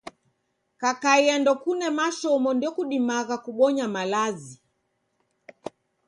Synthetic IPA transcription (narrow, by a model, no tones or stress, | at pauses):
kakaiandɔkunɛmaʃɔmɔndiɔkuɗimaɣakuɓɔɲamalazi